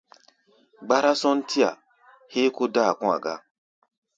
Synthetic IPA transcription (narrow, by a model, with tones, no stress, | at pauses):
ɡ͡ba˦ɾa˦sɔ̃˦n̩˦tʰi˦a̰˨ | he˦ko˦da˦˨kũ˦a̰˨ɡa̰˦